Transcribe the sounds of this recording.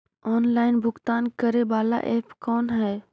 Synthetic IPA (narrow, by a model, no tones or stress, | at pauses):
ɔːnlaːɪnbʱʊkt̪aːnkəɾebaːla̰ʔeːpkɔːnɦɛː